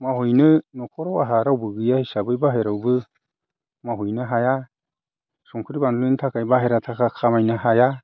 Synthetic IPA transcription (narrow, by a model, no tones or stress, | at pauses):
mahujnɯnɔkʰɔɾɔwaɦaɾawbɯɡɯjahisabɯjbaɦeɾawbɯ | maɦujnɯɦaja | sɔŋkʰɯɾibanlɯjnɯtʰakʰajbaɦeɾatʰakʰakʰamajnɯhaja